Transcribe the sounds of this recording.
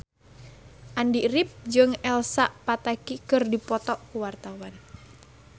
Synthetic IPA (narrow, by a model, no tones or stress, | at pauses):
ʔandirip̚d͡ʒɨŋɛlsaʔpat̪akikɨrdipɔt̪ɔʔkuwart̪awan